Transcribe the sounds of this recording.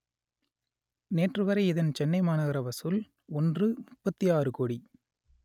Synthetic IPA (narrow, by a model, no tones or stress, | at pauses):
neːʈrɯʋɐɾɐɪɪðɐnt͡ʃɛnːɐɪmaːnɐɣɪɾɐbɐsɯl | ɔndrɯmʊpːɐt̪ːijaːrɯkɔɽi